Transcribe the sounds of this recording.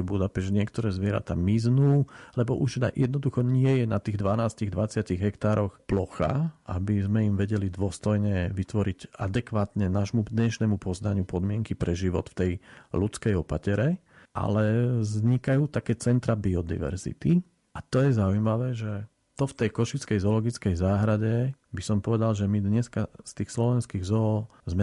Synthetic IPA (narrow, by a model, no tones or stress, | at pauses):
bud̪apɛɲɪɛkt̪ɔɾɛːzʋɪɛɾa̰t̪a̰ːmiznuːlɛbɔʔuʒna̰jɛd̪nɔd̪uxɔɲɪɛjɛnat̪iːɣd̪ʋanaːsciɣd̪ʋat͡sɪaciɣɦɛkt̪aːɾɔxplɔxa̰ʔabizmɛimʋɛɟɛlid̪ʋʊɔst̪ɔjɲɛʋit̪ʋɔɾiɟad̪ɛkʋaːt̪ɲɛnaʃmud̪ɲɛʃnɛmupɔznaɲɪupɔd̪mɪɛŋkipɾɛʒiʋɔ̰t̪ft̪ɛjlut͡skɛjɔpacɛɾɛ | ʔa̰lɛzɲikajuːt̪akɛːt͡sɛnt̪ɾabiɔd̪ḭʋɛ̰ɾzḭt̪i | ʔat̪ɔjɛzaujmaʋɛːʒɛ | t̪ɔft̪ɛjkɔʃit͡skɛjzɔlɔɡit͡skɛjzaːɦɾaɟɛ | bisɔmpɔʋɛd̪alʒɛmid̪ɲɛskast̪iːxslɔʋɛnskiːɣzɔːzmɛ